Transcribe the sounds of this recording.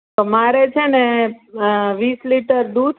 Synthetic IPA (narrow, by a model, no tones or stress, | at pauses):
t̪omaɾet͡ʃʰene | ʋisliʈəɾd̪ud̪